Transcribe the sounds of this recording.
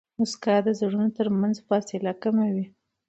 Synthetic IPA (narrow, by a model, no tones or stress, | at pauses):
mʊskad̪əzaɽunot̪əɾmanzfɑsɪlakamawi